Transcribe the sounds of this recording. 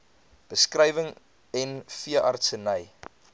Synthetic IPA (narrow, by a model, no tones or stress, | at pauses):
b̥əskrɛjvəŋ | ɛnfiəʔɐ̰rtsənəj